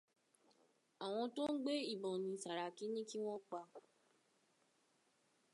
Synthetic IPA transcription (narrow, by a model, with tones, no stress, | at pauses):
a˨w̃ɔ̃˧to˦n̩˦ɡ͡be˦i˦˨bɔ̃˨nĩ˧sa˨ɾa˨ki˨˦nĩ˦ki˦w̃ɔ̃˦k͡pa˧˦